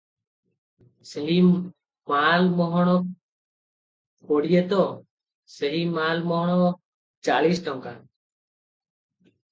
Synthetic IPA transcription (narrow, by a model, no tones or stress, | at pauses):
sɛɦi | malmɔɦɔɽ̃ɔ | koɽijət̪ɔ | sɛɦimalmɔɦɔɽ̃ɔ | t͡ʃalisʈɔŋka